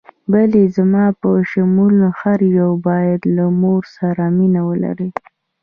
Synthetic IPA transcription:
balezamɑpəʃamulaxaɾjawbɑjad̪lamoɾsaɾaminawəla̰ɾi

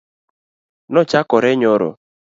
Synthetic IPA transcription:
nɔt͡ʃakɔɾeɲoɾo̰

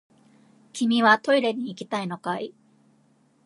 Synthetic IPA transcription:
kʲimʲiβat̪o̞iɾe̞ɲ̟iːkʲi̥t̪aino̞kai

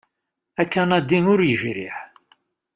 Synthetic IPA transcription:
ækːænæd̪inʊɾjəʒɾḭħ

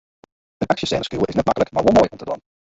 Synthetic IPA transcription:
ə̃nʔakʃəsɛ̰̃ːnəskuːʔɪznət̚makəlˠəkmaɪwɔmɔjʔɔ̃ntədɔ̰̃m

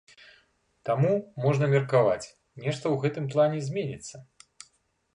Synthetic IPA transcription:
t̪amumɔʐnɐmʲɛrkava̰t͡sʲ | nʲɛʂt̪ɐwɣɛt̪ɨmplˠanʲɛzʲmʲenʲit̪sːɐ

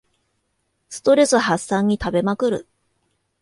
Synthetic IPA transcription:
sɨ̥t̪o̞ɾe̞sɨβahasːãɲ̟ːit̪abe̞makɯ̟ɾɯ̟̰

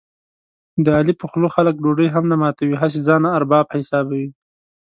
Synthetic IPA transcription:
d̪əɑlipəxloxalək̚ɖoɖəjɦamnamɑt̪awiɦas̬ed͡zɑnaːɾbɑbhɪsɑbawi

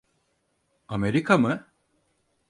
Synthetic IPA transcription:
ameɾikʰamɯ

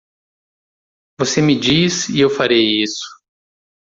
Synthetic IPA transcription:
vosemɪd͡ʒisiewfaɾejisʊ̥

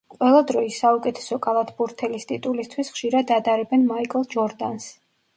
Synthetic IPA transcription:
qʼwɛlˠad̪ɾɔisaukʼɛt̪ʰɛ̥sɔkʼalˠat̪ʰbuɾt̪ʰɛlist̪ʼit̪ʼulist̪ʰwisχʃiɾad̪ad̪aɾɛbɛnmaikʼlˠd͡ʒɔɾd̪a̰ns

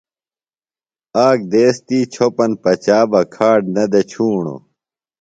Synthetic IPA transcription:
aːk̚d̪eːst̪iːt͡ɕʰopɐnpɐt͡ɕaːbɐkʰaːɖnɐd̪et͡ɕʰuːɳo̰

